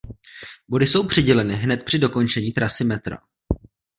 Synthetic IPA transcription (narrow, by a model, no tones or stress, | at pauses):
bo̞dɪso̞wpr̥ɪɟɛlɛnɪɦnɛt̪̚pr̥ɪdo̞ko̞nt͡ʃɛɲiːt̪ɾasɪmɛt̪ɾa̰